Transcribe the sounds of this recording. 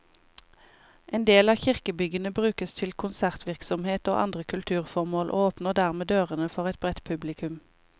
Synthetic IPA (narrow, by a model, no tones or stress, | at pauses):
ʔeːnd̪eːlɑːçɪʁkəbʏɡənəbʁʉːkəst̪ʰɪlkʰʊnsæʁt̪ʋɪʁksɔmheːt̪o̰ːʔɑ̰nd̪ʁəkʰʉlt̪ʰʉːʁfɔʁmoːlʔo̰ːoːpnəʁd̪æʁmeːd̪øːʁənəfɔʁɛt̪̚bʁɛt̪pʰʉblɪkʉm